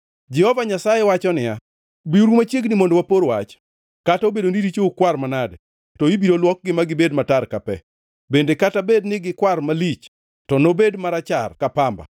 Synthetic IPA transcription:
d͡ʒɛhɔvaɲasajewat͡ʃɔnɪja | biuɾumat͡ʃjeɡnɪmondowapoɾwat͡ʃ | kataobedoniɾit͡ʃoukwarmanadɛ | tɔibiɾolwɔk̚ɡɪmaɡɪbedmatarkapɛ̰ | bendekatabednɪɡɪkwarmalit͡ʃ | tɔnobedmaɾat͡ʃarkapamba̰

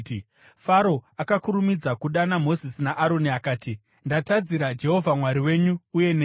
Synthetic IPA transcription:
faɾo̞akakuɾumid͡zakuɗanamo̞zisinaʔaɾo̞niakaːti | ndatad͡ziɾad͡ʒe̞ɦo̞vʱamwaɾiwe̞ːɲuːje̞neː

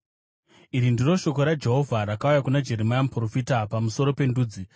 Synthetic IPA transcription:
iɾindiro̞ʃo̞koɾad͡ʒe̞ɦo̞vʱaɾakaujakunad͡ʒe̞ɾemajamupro̞fitapamuso̞ɾo̞pe̞nduːd͡zi

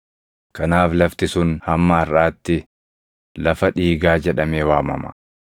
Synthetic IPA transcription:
kɐnaːflɐft̪ɪsʊnhɐmːɐɐrːaːt̪ːɪ | lɐfɐᶑiːɡaːd͡ʒɛᶑɐme̞ːwaːmɐ̰mɐ̥̰

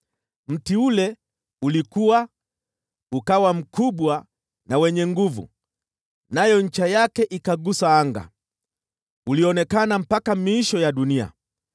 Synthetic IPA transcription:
m̩tiulɛ | ulikuwa | ukawam̩kʰuɓwa | nawɛɲɛŋɡuvṵ | najɔɲ̩t͡ʃajakɛʔikaɡusaaŋɡa̰ | uliɔnɛkanam̩pakamiːʃɔjaɗunia̰

